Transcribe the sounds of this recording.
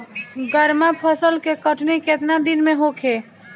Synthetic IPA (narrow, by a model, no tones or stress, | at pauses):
ɡəɾmapʰəsəlkekəʈʰneket̪nad̪inmẽɦokʰe